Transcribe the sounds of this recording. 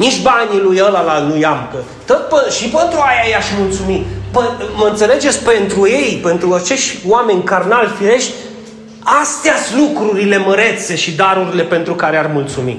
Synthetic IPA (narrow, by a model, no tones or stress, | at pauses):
nit͡ʃʲbanʲilujəlalanujamkə | t̪ot̪̚pəʃipənt̪ɾuajajaʃmult̪sumipəməɨnt̪se̞le̞d͡ʒe̞t̪sʲpe̞nt̪ɾuje̞jpe̞nt̪ɾuat͡ʃe̞ʃt̪ʲwame̞nʲkarnalfiɾe̞ʃt̪ʲ | ast̪easʲlukɾuɾile̞məɾe̞t̪se̞ʃid̪aɾuɾile̞pe̞nt̪ɾukaɾearmult̪sumḭ